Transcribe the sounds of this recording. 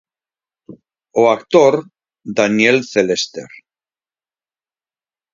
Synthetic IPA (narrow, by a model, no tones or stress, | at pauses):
oakt̪oɾ | d̪anjelθelest̪ḛɾ